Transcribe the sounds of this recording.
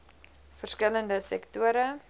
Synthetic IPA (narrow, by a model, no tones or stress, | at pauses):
fərskələndəsɛktuəɾə